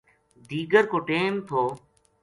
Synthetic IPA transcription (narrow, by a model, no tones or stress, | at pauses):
d̪iːɡəɾkoːʈeːmt̪ʰoː